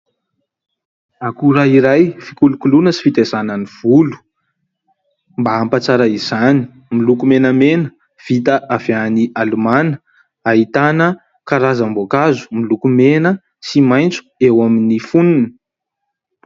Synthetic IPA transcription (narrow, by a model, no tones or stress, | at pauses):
akuɾaiɾajfikulukulunəsi̥fit̪ezanəniv̥ulu̥ | mbaampat͡saɾaiz̥ani̥ | milukumenəmenə | v̥it̪əʔaveaniʔalumanə̥ | aɦit̪anə | kaɾazambokazu̥milukumenə | simajnt͡su̥ewaminifununə